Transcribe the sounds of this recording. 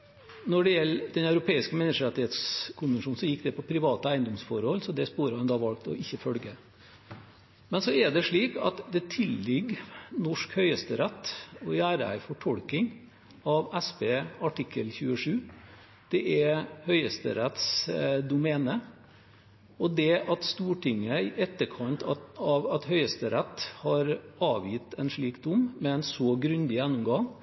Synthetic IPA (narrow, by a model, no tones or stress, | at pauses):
nɔɖɛjɛlːd̪̥ɛnɑʉɾʊpʰeːɪskəmɛnːəʂəɾɛt̪ɪheːt̪skʰʊnʋənʂuːn̩sɔjɪkːd̪ɛpʰɔpʰɾɪʋɑːt̪əæɪənd̪ɔmsfɔɾhɔlsɔd̪ɛspuːɾəhɑnd̪ɑːʋɑlkt̪ɔ̰ʔɪçːəfœlɡə | mɛnsɔɛɖɛʂɭiːkɑ̰t̪d̪ɛt̪ʰɪlːɪɡnɔʂkhœʏəst̪əɾɛt̪ːɔjæːɾəæ̰ɪfɔʈʰɔlkɪŋ | ɑʋæspeːɑʈɪkʰːəlçʉːəʂʉː | d̪̥ɛʔɛhœʏəst̪ə̰ɾɛt̪sd̪ʊmɛːnə | ɔd̪ɛʔɑt̪st̪uːʈʰɪŋːəɪʔɛt̪ːəɾkʰɑnt̪ʰɑɑʋɑt̪hœʏəst̪əɾɛt̪ːhɑɾɑːʋjɪt̪ːɛnʂɭiːkd̪ʊmmɛɛnsɔɡɾʉnd̪ɪjænːʊmɡɑŋ